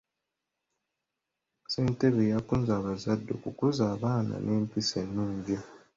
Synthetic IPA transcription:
seːnteβejakunzaːβazadːo̞̰kukuzaːβaːna̰nʔeːmpisenːuːɲɟi

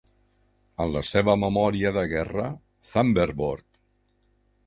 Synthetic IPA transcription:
ənləseβəməmɔɾiəðəɣɛrə | θambeɾβoɾt̪

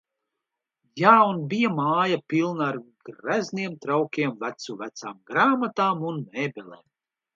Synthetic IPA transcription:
jaːunbijamaːjapilˠnaɾɡɾæzniɛmt̪ɾawkʲiɛmvæt̪suvæt̪saːmɡɾaːmat̪aːmunmɛːbʲɛlɛ̰ːm

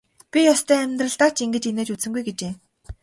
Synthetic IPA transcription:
pʲijɔst̪ʰœːæmʲt̪rə̆ɮt̪aːt͡ɕiŋɡɘ̆t͡ɕineːt͡ɕut͡sɘ̆ŋɡujɡet͡ɕeː

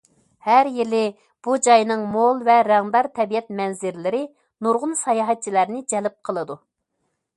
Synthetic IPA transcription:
hæɾjilɪ | b̥ud͡ʒɑjnɨŋmolˠvɛɾɛŋd̪ɑɾt̪ʰɛbijɛt̪̚mɛnzɪɾlɪɾɪ | nuɾʁʊnsɑjɑɦɛt̪̚t͡ʃʰilæɾnɪd͡ʒɛlɪp̚qʰəlˠɨd̪u

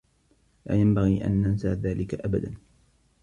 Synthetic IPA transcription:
laːjambaɣiːʔa̰nːansaːðaːlɪkaʔabad̪an

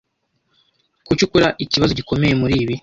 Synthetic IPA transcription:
kucukuɾaʔiciβazo̞ɟiko̞me̞je̞muɾiːβi

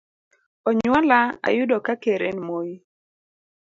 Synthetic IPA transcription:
ɔɲwɔlaa̰jʊdokakeɾenmoji

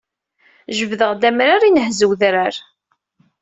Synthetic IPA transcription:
ʒəvðəʁd̪æmɾaɾinəhzəwðɾaɾ

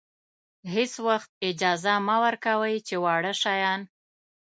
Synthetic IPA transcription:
heswaxt̪̚ɪd͡ʒɑzamawəɾkawəjt͡ʃewɑɽəʃɑjɑn

